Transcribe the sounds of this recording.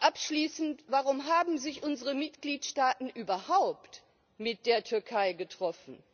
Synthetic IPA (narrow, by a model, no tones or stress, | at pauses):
ʔapʃliːsn̩tvaʁʊmɦaːbm̩zɪçʔʊnzəʁəmɪtɡ̥liːtʃtaːtn̩ʔyːbɐhaʊpt | mɪt̚d̥eːɐtʰʏɐkʰaɪɡətʁ̥ɔfn̩